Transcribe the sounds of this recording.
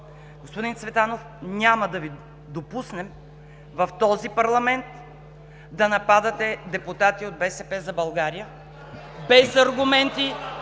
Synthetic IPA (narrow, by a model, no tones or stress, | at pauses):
ɡospod̪int̪svɛt̪anof | nʲamɐd̪ɐvi | d̪opusnɛm | vɐft̪ɔzipɐɾlˠɐmɛnt̪ | d̪ɐnɐpad̪ɐt̪ɛd̪ɛpʊt̪at̪iod̪̚bɛsɛpɛzɐbɐlˠɡaɾijə | bɛzɐɾɡʊmɛnt̪i